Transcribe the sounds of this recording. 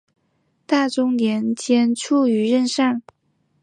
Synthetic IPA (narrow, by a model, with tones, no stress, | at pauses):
t̪a˥˩ʈ͡ʂʊ˥ŋnjɛ˧˥nt͡ɕjɛ˥nʈ͡ʂʰu˥˩y˧˥ɻə˥˧nʂa˥˩n